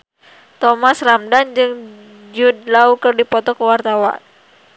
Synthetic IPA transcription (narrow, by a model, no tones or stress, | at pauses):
t̪ɔmasramdand͡ʒɨŋ | d͡ʒudlaukɨrdipɔt̪ɔkəwart̪awa̰n